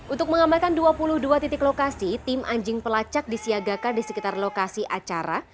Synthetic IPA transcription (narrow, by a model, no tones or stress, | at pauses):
ʔunt̪ʊk̚məŋamalkanduapulʊhduat̪it̪ɪklokasit̪ɪmʔaɲd͡ʒɪŋpəlat͡ʃak̚disiaɡakadisəkit̪arlokasiʔat͡ʃaɾa̰